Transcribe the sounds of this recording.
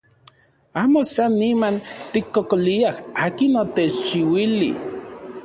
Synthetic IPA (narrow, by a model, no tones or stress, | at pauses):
aːmosanːimant̪ikːokoliahaːkinot̪et͡ʃt͡ʃiwilḭ